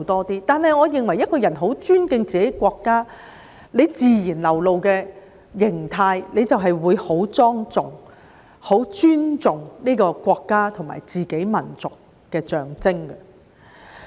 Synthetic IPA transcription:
t̪ɔː˥t̪iː˥t̪aː˨nhɐ˨jŋɔː˨˧jɪ˨˩ŋwɐ˨˩jːɐ˥t̚kɔː˧jɐ˨˩nɦo˨˥wt͡ʃyː˥nkɪ˧ŋt͡siː˨ke˨˥jkʷɔː˧kːaː˥ | le˨˧jt͡siː˨jiː˨˩nlɐ˨˩wlo˨wkɛː˧ | jɪ˨˩ŋt̪ʰaː˧jle˨˧jt͡sɐ˨wɦɐ˨jwuː˨˧jho˨˥wt͡sɔː˥ŋt͡sʊ˨ŋ | ho˨˥wt͡ʃyː˥nt͡sʊ˨ŋniː˥kɔː˧kʷɔː˧kːaː˥t̪ʰʊ˨˩ŋma̰ː˨˩jt͡siː˨ke˨˥jmɐ˨˩nt͡sʊ˨kː | ɛː˧t͡ʃœː˨˩ŋt͡sɪ˥ŋɡɐ˧

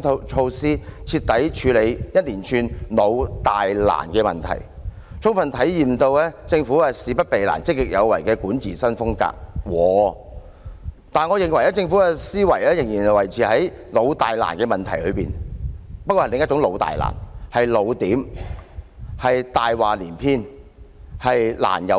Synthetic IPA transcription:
t͡ʃʰo˧wsiː˥t͡sʰiː˧t̪ɐ˨˥jt͡ʃʰyː˨˧le˨˧jjɐ˥t̚liː˨˩nt͡ʃʰyː˧nlo˨˧wt̪aː˨jla̰ː˨˩nkɛː˧mɐ̰˨nt̪ʰɐ̰˨˩j | t͡ʃʰʊ˥ŋfɐ˨nt̪ʰɐ˨˥jjiː˨mt̪o˧wlɛː˥t͡sɪ˧ŋfu˨˥a˧siː˨˧pɐ˥t̚pe˨jla̰ː˨˩nt͡sɪ˥k̚ːɪ˨k̚jɐ˨˧wɐ̰˨˩jkɛː˧kuː˨˥nt͡siː˨˩sɐ˥nfʊ˥ŋka̰ː˧k̚wɔː˨˧ | t̪aː˨nŋɔ˨˧jɪ˨˩ŋwɐ˨˩jla˨˥t͡sɪ˧ŋfu˨˥ɛː˧siː˥wɐ˨˩jlɛː˥jɪ˨ŋjiː˨˩n˨˩wɐ˨˩jt͡sʰiː˨hɐ˨˥j | lo˨˧wt̪aː˨jla̰ː˨˩nkɛː˧mɐ˨nt̪ʰɐ˨˩jlɵ˨˧ɥpiː˨npɐ˥kɔː˧ɐ˨˩lɪ˨ŋjɐ˥t͡ʃʊ˨˥ŋlo˨˧wt̪a̰ː˨jla̰ː˨˩nhɐ˨jlo˨˧wt̪iː˨˥m | hɐ˨jt̪aː˨jwaː˨˩liː˨˩npʰiː˥n | hɐ˨jla̰ː˨˩njɐ˨˧

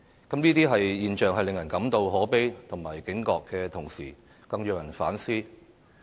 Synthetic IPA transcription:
kɐ˨˥mniː˥t̪iː˥ɦɐ˨jjiː˨nt͡ʃœː˨˧ŋɦɐ˨jlɪ˨ŋjɐ˨˩nkɐ˨˥mt̪o˧wɦɔː˨˥pe˥jt̪ʰʊ˨˩ŋmaː˨˩jkɪ˨˥ŋkɔː˧kːɛː˧t̪ʰʊ˨˩ŋsiː˨˩ | kɐ˧ŋjœː˧jɐ˨˩nfa̰ː˨˥nsiː˥

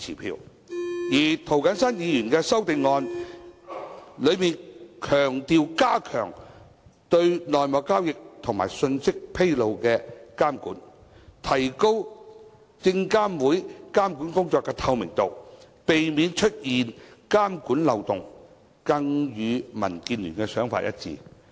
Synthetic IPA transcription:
t͡sʰiː˨˩pʰḭː˧w | jiː˨˩t̪ʰo˨wkɐ˨˥nsɐ˥njiː˨˧jyː˨˩nkɛː˧sɐ˥wt̪ɪ˨ŋːɔː˧n | lɵ˨˧ɥmiː˨nkʰœː˨˩ŋt̪iː˨wkaː˥kʰœ̰ː˨˩ŋ | t̪ɵ˧ɥnɔː˨jmɔː˨˧kːaː˥wjɪ˨k̚t̪ʰʊ˨˩ŋma̰ː˨˩jsɵ˧nsɪ˥k̚pʰe˥jlo˨wkɛː˧kaː˥mkuː˨˥n | t̪ʰɐ˨˩jko˥w | t͡sɪ˧ŋkaː˥mwuː˨˥jkaː˥mkuː˨˥nkʊ˥ŋt͡sɔː˨˧kːɛː˧t̪ʰɐ˧wmɪ˨˩ŋt̪o˨w | pe˨jmiː˨˧nt͡ʃʰɵ˥t̚jiː˨nkaː˥mkuː˨˥nlɐ˨˧wt̪ʊ˨ŋ | kɐ˧ŋjyː˨˧mɐ̰˨˩nkiː˧nlyː˨˩nkɛ˧sœː˨˥ŋfa̰˧t̚jɐ̰˦˥t̚t͡sḭː˨˧

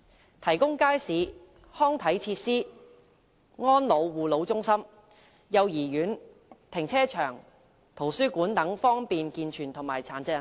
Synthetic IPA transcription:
t̪ʰɐ˨˩jkʊ˥ŋkaː˥jsiː˨˧ | hɔː˥ŋt̪ʰɐ˨˥jt͡sʰiː˧t̚siː˥ | ŋɔː˥nlo˨˧wːuː˨˩lo˨˧wt͡sʊ˥ŋsɐ˥m | jɐ˨˧wjiː˨˩jyː˨˥n | t̪ʰɪ˨˩ŋt͡sʰɛː˥t͡ʃʰœː˨˩ŋ | t̪ʰo˨˩wsyː˥kuː˨˥nt̪ɐ˨˥ŋfɔː˥ŋpiː˨nkiː˧nt͡ʃʰyː˨˩nt̪ʰʊ˨˩ŋmaː˨˩jt͡sʰaː˨˩nt͡sɪ˧˨˩

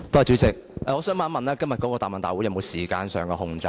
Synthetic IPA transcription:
t̪o˥ɐ˨˩t͡ʃyː˨˥t͡sɪ˨k̚ʔɛː˨ŋɔː˨˧sœː˨˥ŋmaː˨˥nmɐ˨naː˥kɐ˥mjɐ˨t̚kɔː˨˥kɔː˧t̪aː˨˩mɐ˨nt̪aː˨jwu˨˥jɐ˨˧mo˨˧wsiː˨˩kaː˧nsœː˨ŋkɔː˧hʊ˨˧ŋt͡sɐ˧

